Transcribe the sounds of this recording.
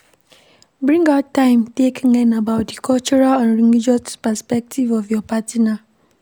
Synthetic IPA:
bɹĩŋɡatːãɪ̃mtekŋɛ̃nabaʊt̚dikʰɔlt͡ʃuɾalãnɹiŋid͡ʒɔtpɛspɛk̚tʰivɔvjɔpʰatina

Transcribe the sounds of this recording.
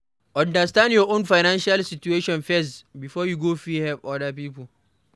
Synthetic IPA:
ʔɔ̃ndɐstãndjɔʔonfajnanʃalsɪt͡ʃueːʃɔ̃nfɛs̬bifɔːjuɡofɹihɛvʔɔdapiːpʊl

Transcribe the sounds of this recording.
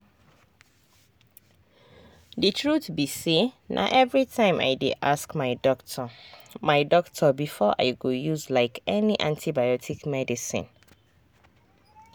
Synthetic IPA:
dɨtʰɹutbisenʔa̰ʔɛvɹitʰãɪ̃mʔa̰ɪdidaskmaɪ | maɪdɔktʰɔbifɔʔa̰ɪɡojuzlaɪkʰɛniʔãntʰibajɔtʰikmɛdisḭ̃n

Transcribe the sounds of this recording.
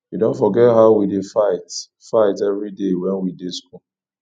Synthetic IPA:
widõntfɔɡɛtɦaʊwidefaɪt | faɪtɛvɹidewɛ̃nwidesku

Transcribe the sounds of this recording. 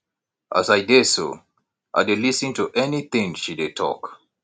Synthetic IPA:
ʔa̰zajdeso̰ | ʔa̰ɪdelisɨ̃ntuʔɛniθɪ̃ŋʃided̚tʰɔ̰k

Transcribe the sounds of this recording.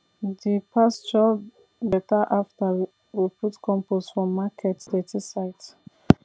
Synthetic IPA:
dipʰast͡ʃɔ | bɛtaʔafta | wiputkʰɔ̃mposfɹɔ̃mːakʰɛtdɛtʰisaɪt

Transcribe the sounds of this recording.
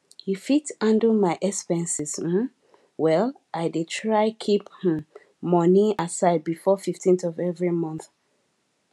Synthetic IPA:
hifitãndəmaɪʔɛkspɛ̃nsis̩ | wɛl | ʔaɪdetʰɹaɪkʰiph | mɔniasaɪd̚bifɔfiftʰĩnθɔvɛvɹimɔ̃nθ

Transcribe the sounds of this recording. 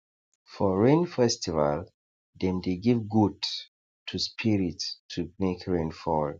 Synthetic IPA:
fɔɹẽnfɛstiva̰l | dɛ̃ndeɡivɡud | tʰuspʰiɹitʰːumekʰɹẽnfɔl

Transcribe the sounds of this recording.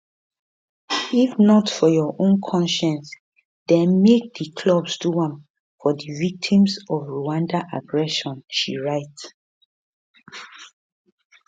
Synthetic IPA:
ifnɔtfɔjɔʔõnkʰɔ̃nʃɛ̃ns | d̥ɛ̃nmek̚dikʰlɔbsduãm | fɔdivik̚tʰĩmsɔfɹuãndaʔaɡɹɛʃɔ̃nʃḭɹaɪt

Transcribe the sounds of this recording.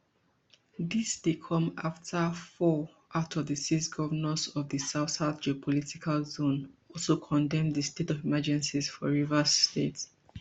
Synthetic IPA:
ðisdekʰɔ̃maftʰəfɔ | ʔaʊtʰɔvðəsisɡɔvənəsɔvðəsaʊθaθd͡ʒiopʰɔlitikʰalzõnɔlsokʰɔ̃ndɛ̃mðəstetɔvimad͡ʒɛ̃nsiz̥fɔɹivəsːtet

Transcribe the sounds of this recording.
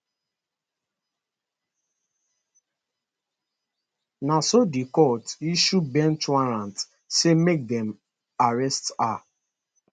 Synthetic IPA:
nasodikɔtiʃubɛ̃ntwaɾãnt | semek̚dɛm | aɹɛsta

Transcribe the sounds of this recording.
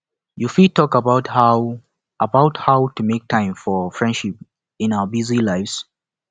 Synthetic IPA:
jufitɔkəbaʊtha | ʔəbaʊthaʊtumek̚tʰãɪ̃mfɔfɹɛ̃ndʃip̚ | ɪ̃naʊəbizilaɪfs

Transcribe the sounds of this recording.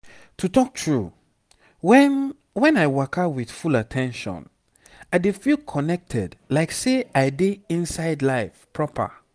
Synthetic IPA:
tʰutɔk̚tʰɹu | wɛn | wɛ̃naɪwakʰawið̥fulatʰɛ̃nʃɔ̰̃n | aɪdefilkʰɔnɛk̚tʰɛdlaɪkseaɪdeĩnsaɪdlaɪfpʰɹɔpʰə̰

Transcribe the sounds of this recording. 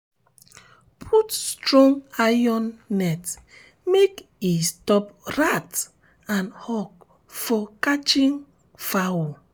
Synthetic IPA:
pʰutstɹɔ̃ŋajɔ̃nːɛt | mek | istɔp̚ɹat | ãnhɔk̚ | fɔkat͡ʃĩŋ | fawo

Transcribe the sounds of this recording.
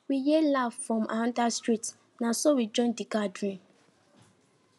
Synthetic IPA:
wijelaffɹɔ̃mʔandastɹit | nasowid͡ʒɔ̃ɪndikadɹĩn

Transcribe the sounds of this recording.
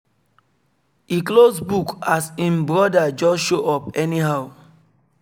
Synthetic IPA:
iklosbukasĩnbɹɔdad͡ʒɔsʃoʔɔpɛniɦaʊ

